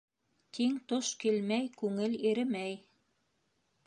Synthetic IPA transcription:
t̪iŋt̪oʃkilmæjkʉŋɘliɾɘ̆mæj

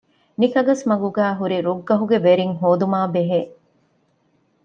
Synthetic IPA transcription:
nikɐɡɐsmɐɡuɡæːɦuɾiɾuɡːɐɦuɡeʋeɾiŋɦoːd̪umaːbeɦeː

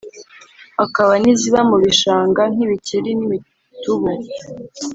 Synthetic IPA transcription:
akaβaniziβamuβiʃaːŋɡan̥iβiciɾiniβi | tuβu

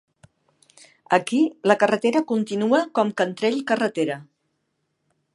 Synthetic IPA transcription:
əkiləkərət̪eɾəkunt̪inuəkɔmkənt̪ɾɛʎkərət̪eɾə

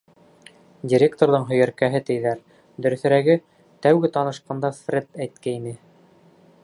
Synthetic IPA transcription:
dʲiɾʲekt̪oɾðɤɴɦɵ̆jæɾkæɦɘt̪ɘ̆jðæɾ | d̪ɵ̆ɾɵ̆θɘ̆ɾæɡɘ | t̪æwɡɘt̪ɑnɤ̆ʃqɑnd̪ɑfrʲet̪æjt̪kæinɘ

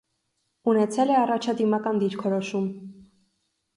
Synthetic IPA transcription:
unɛt͡sʰɛlɛɑrɑt͡ʃʰɑd̪imɑkɑnd̪iɾkʰɔɾɔʃum

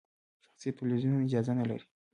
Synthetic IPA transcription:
ʃḁxsitelizunɪd͡ʒɑzanala̰ɾi̥

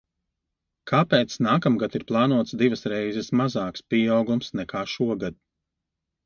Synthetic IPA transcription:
kʰaːpɛːt̪snaːkamɡat̪iɾplˠɑːnuɔt̪sd̪ivɐsɾɛjzɛsmazaːkspʲiɛawɡumsnɛkʰaːʃuɔɡad̪̚

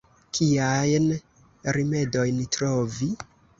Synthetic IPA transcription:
kʰiajn | ɾime̞do̞jntɾovi

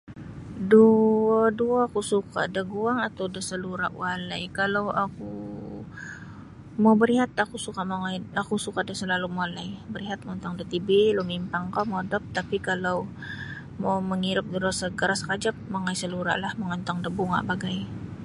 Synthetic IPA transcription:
duaduaːkusuka̰daɡuaŋat̪awdasəluɾa̰ʔwalajkalawaku | mawbəɾiɦat̪akusukamaŋajakusukadasəlalumalajbəɾiɦat̪̚mont̪aŋdat̪ibelomimpaŋkamodəp̚t̪apikalaw | mawməŋiɾʊp̚dəɾosaɡəɾaskad͡ʒap̚maŋajsəluɾa̰ʔlahməŋənt̪aŋdəbuŋa̰ʔbaɡaj

